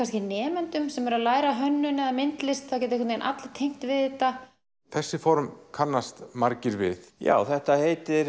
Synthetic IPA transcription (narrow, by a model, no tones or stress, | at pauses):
kʰvanscɪnɛːmɛnt̪ʏmsɛmɛɾaðlaːjɾaɦœnːʏnɛðamɪnt̪lɪst̪θawcɛt̪ekœt̪nnʔa̰t̪lt̪ʰejŋ̥t̪vɪðɛt̪a | θɛsːɪfɔɾmkʰanːast̪maɾcɪɾvɪ̰θja̰ːwθɛht̪ahejt̪ɪɾ